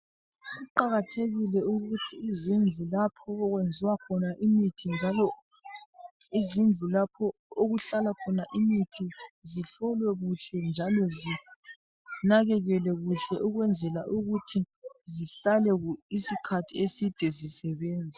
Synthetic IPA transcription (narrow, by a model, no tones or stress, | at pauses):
ɣuǃaɣatʰeɣilɛuɣutʰiːzind͡ɮʱulapʰɔɔɣwend͡zʱiwakʰɔnaʔimitʰind͡ʒʱalɔ | izind͡ɮʱulapʰɔoɣuɬalakʰɔnaʔimitʰiziɬɔlwɛɣuɬɛnd͡ʒʱalɔzi | naɣɛɣɛlɛɣuɬɛʔuɣwɛnd͡zʱɛlaʔuɣutʰi | ziɬalɛisikʰatʰiesid̥ʱɛzisɛβɛːnd͡zʱa